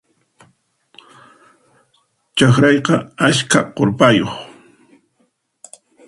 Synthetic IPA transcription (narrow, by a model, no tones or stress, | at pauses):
t͡ʃaχɾɑjqɑaskaqoɾpajoχ